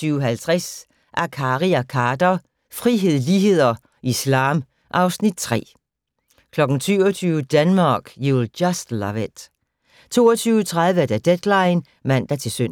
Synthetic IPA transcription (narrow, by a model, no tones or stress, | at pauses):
yːʊəɦælt͡sʰʁas | ʔækʰɑːʁiækʰɑːd̥ɐ | fʁiɦe̝ð̰ˠliːɦe̝ð̞̰ˠɐ | ʔislɑ̈ːm | ʔɑ̈ʊsnid̥̚t͡sʰʁɛ̰ː | kʰlɒ̽ɡ̥n̩syːʊɐt͡sʰyːʊəd̥ænmɑːɡ̥juld̥jɑsd̥lɑʋed̥ | t͡sʰo̝̰ːɐt͡sʰyːʊət͡sʰʁað̞ˠʋəd̥æd̥ed̥lɑ̈ɪn | mæn̰d̥æt͡sʰe̝lsøn